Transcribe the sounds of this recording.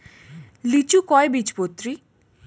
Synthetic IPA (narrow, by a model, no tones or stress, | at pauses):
lit͡ʃukɔebit͡ʃpot̪ɾi